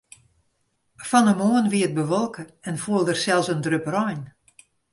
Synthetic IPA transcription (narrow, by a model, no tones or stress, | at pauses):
fɔnəmoənʋiət̚bəʋɔlˠkəɛnfuəlˠdərsɛlˠsəndrøpərɔjn